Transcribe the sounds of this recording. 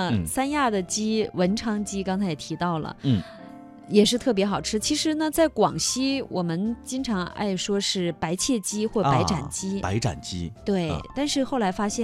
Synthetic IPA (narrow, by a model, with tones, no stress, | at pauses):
sa˥nja˥˩d̪ə˩t͡ɕi˥wə˧˥nʈ͡ʂʰɑ˥ŋt͡ɕi˥kɑ˥ŋt͡sʰa˧˥ɪjɛ˨˩t̪ʰi˧˥t̪ɑ˥˩ʊlə̰˩˥˩ | jɛ˨˩ʂɻ̩˥˧t̪ʰɤ˥˩p̬jɛ˧˥xɑ˨˩ʊʈ͡ʂʰɻ̩˥t͡ɕʰi˧˥ʂɻ̩˧˥nə˧t͡sa˥˩ɪkwɑ̰˨˩ŋɕi˥wʔɔ̰˨˩mə˦nt͡ɕi˥ŋʈ͡ʂʰɑ˧˥ŋa̰˥˩ɪʂwɔ˥ʂɻ̩˥˩pa˧˥ɪt͡ɕʰjɛ˥˩t͡ɕi˥xwɔ˥˩pa˧˥ɪʈ͡ʂa˨˩nt͡ɕi˥pa˧˥ɪʈ͡ʂa̰˨˩nt͡ɕḭ˥t̪we˥˩ɪt̪a˥˧nʂɻ̩˥˧xo˥˩ʊla˧˥ɪfa˥ɕjɛ˥˩